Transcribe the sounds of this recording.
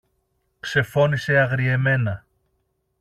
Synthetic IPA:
kse̞fo̞niseɐɣɾie̞me̞nɐ

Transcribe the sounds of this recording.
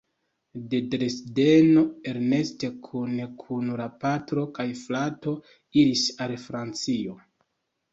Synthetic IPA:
de̞dɾesde̞no̞e̞ɾne̞ste̞kʰunkʰunlapatɾo̞kajflato̞ | iɾisalfɾant͡sio̞

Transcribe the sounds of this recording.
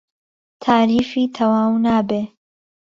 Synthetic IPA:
t̪ʰaːɾiːfiːt̪ʰɐwaːwnaːbeː

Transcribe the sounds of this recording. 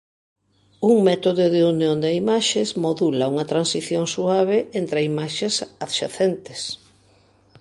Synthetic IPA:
uŋmɛt̪oðoðeunjond̪eimaʃezmoðulɐuŋɐt̪ɾansiθjoŋsuaβ̞eʔent̪ɾeimaʃesaðʃaθent̪ɪs

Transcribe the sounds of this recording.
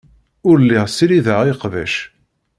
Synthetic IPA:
ʊɾlːiʁsiɾiðəʁiqvæ̰ʃ

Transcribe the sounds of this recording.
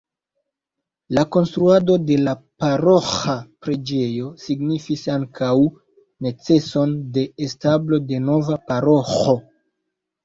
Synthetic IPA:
lako̞nstɾuado̞de̞lapaɾo̞xapɾe̞d͡ʒe̞jo̞siɡnifisaŋkʰaw | ne̞t͡se̞so̞nde̞ːstablo̞de̞no̞vapaɾo̞xo̞

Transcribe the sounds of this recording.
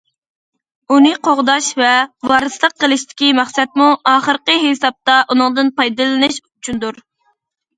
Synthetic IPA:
unɨqʰoʁd̪ɑʃvɛvɑɾɨslˠəqʰːəlˠɨʃt̪ʰɪ̥kʲimæχsɛt̪̚muʔɑːχəɾqəɦesɑp̚t̪ɑʔunɨŋd̪ɨnpɑjd̪ɨlˠɨnɨʃut͡ʃʰund̪uɾ

